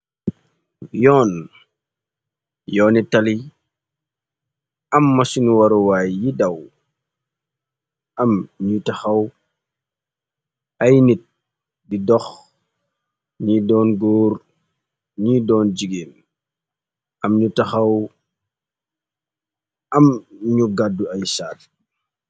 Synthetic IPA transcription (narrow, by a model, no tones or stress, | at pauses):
jɔːn | jɔːnitali | ɐmːɐsinuwaɾɔwaːjjidɐw | ɐmɲutɐxɐw | ɐjnit̚ | didɔx | ɲidɔːnɡɔːr | ɲiːdɔːnd͡ʒiɡeːn | ɐmɲutɐxɐw | ɐmɲuɡadːuɐjsaːt̚